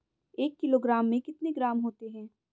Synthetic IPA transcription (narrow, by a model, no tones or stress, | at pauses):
eːkːɪloːɡɾaːmːẽkɪt̪neɡɾaːmɦoːt̪eɦɛ̃ː